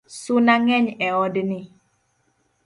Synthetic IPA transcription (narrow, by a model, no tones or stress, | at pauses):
sunaŋɛɲɛɔdni